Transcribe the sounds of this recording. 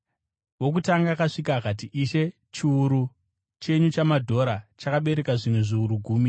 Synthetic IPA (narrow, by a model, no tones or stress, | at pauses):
ʋo̞k̬utaŋɡakaʂikaːkat̬iʔiʃe̞ | t͡ʃiuɾu | t͡ʃe̞ɲut͡ʃamadʱo̞ɾat͡ʃakaɓe̞ɾe̞kaʐimwe̞ʐiuɾuɡʱuːmi